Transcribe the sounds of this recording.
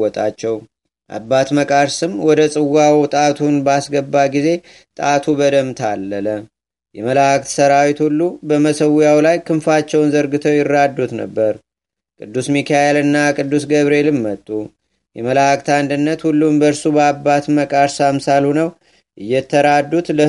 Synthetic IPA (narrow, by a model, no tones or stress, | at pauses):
ɔt̪ʼat͡ʃːɛw | ʔa̰bːat̪məkʼaɾsɨmwɔd̪əsʼɨwːawt̪ʼat̪ʰunbasɡəbːaɡize̞ | t̪ʼat̪ʰubəd̪əmt̪ʰalːələ | jɛməlakt̪səɾawit̪hulːubəməsəwʊjawlajkʰɨnfat͡ʃːɛwnzəɾɡɨt̪ʰəwjɪrːad̪ːut̪nə̰bːəɾ | kʼɨd̪ːusmikʰajelɨnːakʼɨd̪ːusɡəβɾe̞lɨmːət̪ʼːu | jɛməlak̚t̪and̪ɨnːət̪hulːumbəɾsubəabːat̪məkʼaɾsamsalunəw | ʔɨjːɛt̪ʰːəɾad̪ːut̪lə